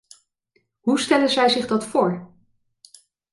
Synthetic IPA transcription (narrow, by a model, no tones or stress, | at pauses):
ɦustɛlənzɛjzɪχdɑtfʊːɹ